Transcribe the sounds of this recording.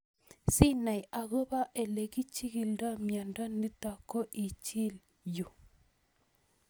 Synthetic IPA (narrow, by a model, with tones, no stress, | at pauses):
si˦na˨ja˨ɣo˦ba˦ʔe˨le˨ɡi˦t͡ʃi˦ɡi˨lda˦mja˨nda˦ni˦ta˨kːo˦ʔi˨t͡ʃi˦l | ju˨